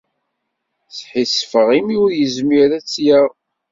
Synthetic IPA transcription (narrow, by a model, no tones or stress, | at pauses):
θħisfəʁimʊɾjəzmiɾæt͡sːjəʁ